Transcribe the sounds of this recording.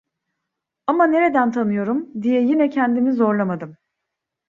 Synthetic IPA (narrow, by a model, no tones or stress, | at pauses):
amane̞ɾe̞d̪ænt̪ʰanɯjo̞ɾumd̪ijɛjinɛcʰɛnd̪imizo̞ɾlˠamad̪ɯm